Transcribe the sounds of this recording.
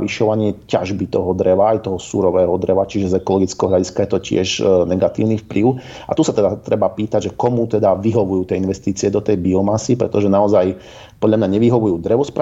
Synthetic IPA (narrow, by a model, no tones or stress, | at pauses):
iʃɔʋaɲɪɛca̰ʒbit̪ɔɦɔd̪ɾɛʋaːjt̪ɔɦɔsuɾɔʋɛːɦɔd̪ɾɛʋat͡ʃiʒɛzɛkɔlɔɡit͡skɛɔɦlʎaɟiskajɛt̪ɔcɪɛ̰ʒnɛɡat̪ḭːʊnifplʔiʊ | a̰t̪usat̪ɛd̪at̪ɾɛbapiːt̪aɟʒɛkɔmut̪ɛd̪aʋiɦɔʋujuːt̪ɪɛinʋɛst̪iːt͡siɛd̪ɔt̪ɛjbiɔmasipɾɛt̪ɔʒɛnaɔzaj | pɔd̪ʎʲamɲaɲɛʋiɦɔʋujuːd̪ɾɛʋɔspɾa